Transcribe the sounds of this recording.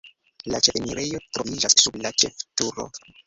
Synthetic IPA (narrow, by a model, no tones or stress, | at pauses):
lat͡ʃefmiɾʔejo̞tɾovid͡ʒasːublat͡ʃeftuɾo̞̰